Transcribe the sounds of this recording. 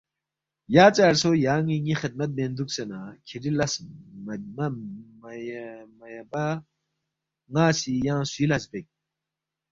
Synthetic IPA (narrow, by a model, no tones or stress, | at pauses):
jaːt͡saːɾsojaːŋiŋixid̪̚mɐt̪̚mend̪uksenakʰiɖilɐs | mm | mɐjba | ŋaːsijãːsuilɐsbek̚